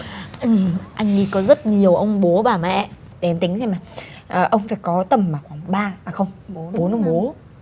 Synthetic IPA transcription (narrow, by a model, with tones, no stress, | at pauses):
ʔɨ˨˩ʔa˧jŋ̟ŋḭ˧kɔ˨˦zə˦˥t̚ɲi˨˩əwʔə˧wŋ͡mɓo˨˦ɓaː˨˩mɛ̰˧˨ | ɗe˨ɛ˧mt̪ï˨˦ŋ̟zʰa˧jmaː˨˩ʔəː˨˩ʔə˧wŋ͡mfaː˧˩jkɔ˨˦t̪ə˨˩mmaː˨˩xwaː˧˩ŋɓaː˧aː˨˩xə˧wŋ͡mɓo˨˦nə˨˧˦ŋ͡mɓo˧˨˦